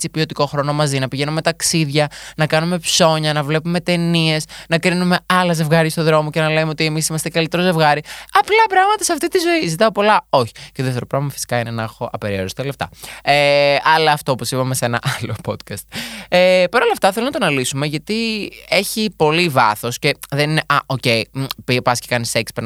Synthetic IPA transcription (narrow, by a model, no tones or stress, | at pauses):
t͡sipio̞t̪iko̞xɾo̞no̞mɐzinɐpiʝe̞nume̞t̪ɐksiðʝɐnɐkɐnume̞pso̞ɲɐnɐvle̞pume̞t̪e̞nie̞snɐkɾinume̞ɐlɐze̞vɣɐɾist̪oðɾo̞mo̞cenɐleumeo̞t̪ie̞misimɐst̪ekɐlit̪e̞ɾo̞ze̞vɣɐɾiɐplɐpɾɐɣmɐt̪ɐsɐft̪it̪izo̞izit̪ɐopo̞lɐo̞çi̥ceoðeft̪eɾopɾɐvlemɐfi̥si̥kɐine̞nexo̞ʔɐpeɾioɾist̪eleft̪ɐ̰eɐlɐːft̪o̞opo̞sipɐmesenɐ̰ʔɐlo̞pot̪kɐst̪̚epɐɾo̞lɐft̪ɐθelonɐt̪o̞nɐlisume̞ʝɐt̪ie̞çipo̞livɐθo̞sce̞ðe̞nineʔɐʔo̞ce̞jpipɐscekɐnisekspe